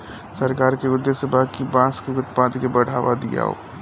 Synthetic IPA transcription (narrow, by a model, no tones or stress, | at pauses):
sɐɾkaːɾkeʊd̪esəbʱakibãːskuɡət̪pãːd̪kebɐɽ̤aːʋad̪ḭja̰o̰ː